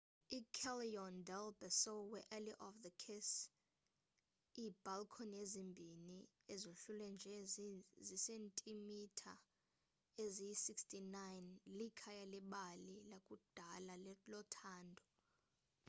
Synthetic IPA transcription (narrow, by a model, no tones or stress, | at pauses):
ikʰɛliɔndɛlbɛsɔwɛʔɛliʔɔfðəkʰɛs | iːb̥alkʰɔnezimbʱini | ezoɬulɛnd͡ʒʱɛzisentʼimitʰa | ezijisikstʰʼinajnlikʰajalɛɓalilakʼud̥ʱalallɔtʰaːndʱɔ